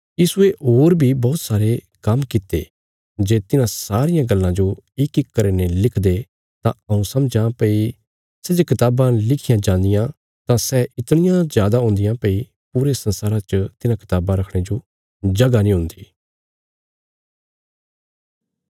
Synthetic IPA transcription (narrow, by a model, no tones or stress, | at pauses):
jiːsueoːɾbʱibɔːt̪saːɾe | kɐmkɪt̪ːḛ | d͡ʒeːt̪ɪnãsaːɾɪjãɡɐlːãd͡ʒoɪkɪkːɐɾenelɪkʰd̪e | t̪ãɐũsɐmd͡ʒãpɐi | sɛd͡ʒekɪt̪aːbãlɪkʰɪjãd͡ʒãːnd̪ɪjã | t̪ãsɛɪt̪ɽ̃ɪjãzjaːd̪aɦʊ̃nd̪ɪjãpɐi | puːɾesɐ̃nsaːɾat͡ʃət̪ɪnãkɪ̥t̪aːbãɾɐkʰɽ̃ed͡ʒo | d͡ʒɐɡanĩɦʊ̃nd̪iː